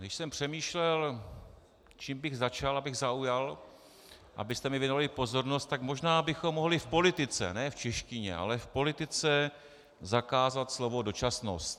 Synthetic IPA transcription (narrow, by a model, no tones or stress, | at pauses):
ɡdɪʃsɛmpr̝̥ɛmiːʃlɛl | t͡ʃiːmbɪɣzat͡ʃalʔabɪɣzaujal | ʔa̰bɪst̪ɛmɪvjɛnovalɪpo̞zo̞ɾnost̪t̪ːakmo̞ʒnaːbɪxomːo̞ɦlɪfpo̞lɪt̪ɪt͡sɛ̰nɛːft͡ʃɛʃcɪɲɛ̰ʔa̰lɛfpo̞lɪt̪ɪt͡sɛ | zakaːzat̪slo̞vo̞do̞t͡ʃasno̰st̪